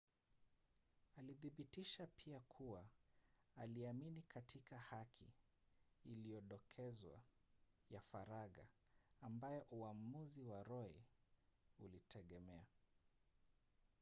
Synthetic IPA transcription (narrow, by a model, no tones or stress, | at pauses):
aliðiɓitiʃapʰiakʰuwa | aliaminikʰatʰikahakʰḭː | lijɔɗɔkʰɛzwa̰ | jafaɾaɠa̰ː | mbajɔʔuamuziwaɾɔɛ̰ | ulitʰɛɠɛmɛa